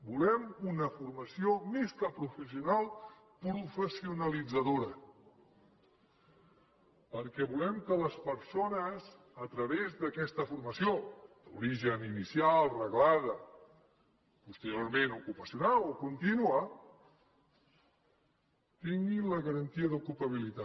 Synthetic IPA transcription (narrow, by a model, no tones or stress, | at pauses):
bulɛmunəfurməsiomeskəpɾufəs̬iunalˠ | pɾufəsiunəlid͡zəðoɾə | pəɾkɛβulɛmkələspəɾsonəz | ət̪ɾəβezðəkɛst̪əfuɾməsiod̪̥ṵɾiʒəninisialˠrəɣlaðə | pust̪əɾioɾmenukupəsiunalokunt̪inuə | t̪iŋɡiləɣəɾənt̪iəðukulpəβ̞ilit̪a